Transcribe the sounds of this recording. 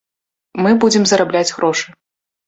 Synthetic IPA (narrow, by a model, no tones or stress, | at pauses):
mɨbud͡zʲɪmzɐɾablʲad͡zʲɣɾɔʂɨ